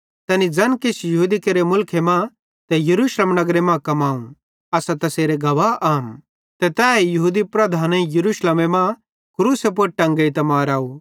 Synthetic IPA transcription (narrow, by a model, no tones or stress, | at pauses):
t̪ɛːnid͡zɐnkɪsjɐɦuːd̪ikeɾemʊlkʰemã | t̪ɛjɐɾuːʃleːmnɐɡɾemãkɐmaːũ | ɐsat̪ɐseːɾeɡɐʋaːʔaːm | t̪ɛt̪ɛːjɐɦud̪ipɾɐd̪ʱaːnẽjɐɾuːʃleːmemã | kɾuːsep̬oɾʈɐ̃ŋɡɐit̪ɐmaːɾaːu